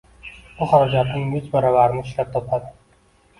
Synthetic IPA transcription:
bʊhaɾad͡ʒat̪nɪŋjɪt͡ʃbaɾɒbaɾɪnɪːʃlap̚t̪ʰɒpʰad̪ɪ

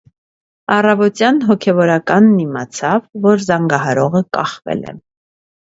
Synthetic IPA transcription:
ɑrɑvɔt̪jɑnɦɔkʰɛvɔɾɑkɑnːimɑt͡sʰɑvːɔɾzɑŋɡɑɦɑɾɔʁəkɑχvɛ̰lɛ̰

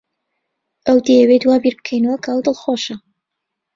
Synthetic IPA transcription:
ʔɐwd̪ejəwed̪waːbiɾbɨkʰejnɐwɐkʰɐəwd̪ɨlˠxoʃɐ

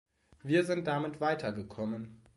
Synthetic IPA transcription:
viːɐzɪnt̚d̥amɪtv̥aɪtʰɐɡəkʰɔmən

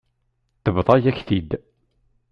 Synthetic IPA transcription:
θəvðˤɑjæçθid̪

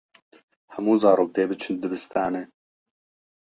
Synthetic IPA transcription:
hɛmuːzɑːɾoːk̚d̪eːbɨt͡ʃʰɨnd̪ɨbɨst̪ʰɑːnɛ

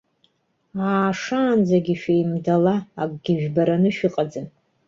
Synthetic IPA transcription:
aːʂaːnd͡zaɡʲiʃᶣajmdalaːkʼɡ̥ʲɪʒᶣbaɾanɨʃᶣiqʼad͡zan

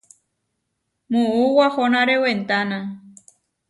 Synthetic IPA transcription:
mũuwahonãɾewent̪anã

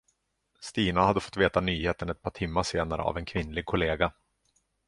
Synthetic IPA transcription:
st̪iːnahad̪ːəfɔ̥t̪ːveːt̪anyːheːt̪ənɛt̪̚pʰɑːʈʰɪmːaʂeːnaɾə̰a̰vɛnkʰvɪnːlɪɡ̚kʰʊleːɡa

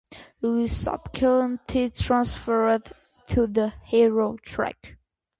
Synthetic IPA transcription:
lisʌ̰bkʰələ̃ntʰitʰɹãnsfə˞d | tʰuðəhiɹotʰɹ̥æ̰k

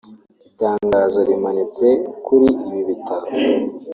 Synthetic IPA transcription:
itaːŋɡaːzoɾimanit͡se̞kuɾiːβiβitaɾo

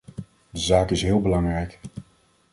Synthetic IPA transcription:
dəzaːkɪsɦɪːlˠbəlɑŋrɛjk

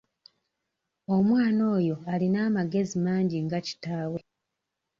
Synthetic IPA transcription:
o̞mwaːno̞ːjo̞alinaːmaɡe̞zimaːɲɟiŋɡaci̥taːwe̞

